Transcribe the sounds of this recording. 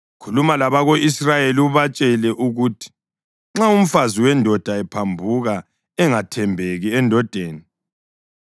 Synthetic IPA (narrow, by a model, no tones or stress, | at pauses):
kʰulumalaβaɣoisrajeliuβat͡ʃʼɛlɛʔuɣutʰi̥ | ŋ͡ǁaum̩faziwɛndʱɔd̥ʱaɛpʰambʱuɣa | ɛŋatʰɛmbʱeɣiɛndʱɔd̥ʱeːni